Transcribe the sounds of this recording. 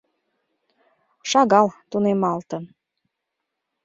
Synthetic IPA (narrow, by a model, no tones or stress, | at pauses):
ʃɑɣɑlt̪unemɑlt̪ən